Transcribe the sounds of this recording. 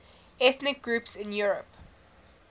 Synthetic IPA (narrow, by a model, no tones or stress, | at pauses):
ɛθnɪk̚ɡ̥ɹupsɪ̃njuɹəp